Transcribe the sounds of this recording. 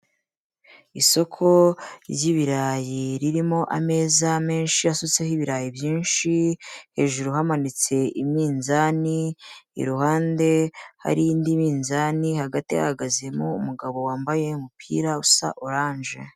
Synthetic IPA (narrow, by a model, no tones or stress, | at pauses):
iso̞kʰo̞ɾjiβiɾajiɾiɾimo̞ʔame̞ːzame̞ːnʃiasot͡sehiβiɾajibjiːnʃihe̞ːʒuɾuɦamanit͡se̞ʔimɲiːnzaniḭɾuhaːnde̞ha̰ɾindimiːnzanihaɡatiha̰haɡazemoṵmuɡaβo̞waːmbaje̞umupʰḭːɾausa̰ʔoɾaːnʒe̞̰